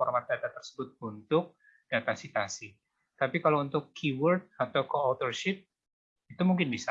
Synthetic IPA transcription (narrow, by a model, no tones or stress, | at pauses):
ɔrmat̪̚dat̪at̪ərsə̥bʊt̪̚unt̪ʊk̚ | d̥at̪asit̪asi | t̪apikalount̪ʊkːʰiwərt̪̚at̪awkoot̪ərʃɪp̚ | it̪umuŋkɪnbisa